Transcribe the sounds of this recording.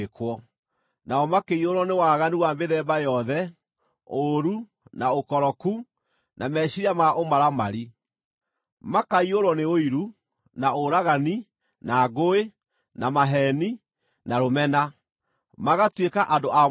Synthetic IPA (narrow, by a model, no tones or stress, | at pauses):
kwɔ | naɔmakeioɾwɔnewaːɣaniwambeðɛːbajɔðɛ | oɾu | naokɔɾɔku | nʔamɛɕiɾamaʔomaɾamaɾi | makaioɾwɔneoiɾu | naoɾaɣani | naːɣoe | namaɦɛni | naɾomɛna | maɣatwekaʔandoʔa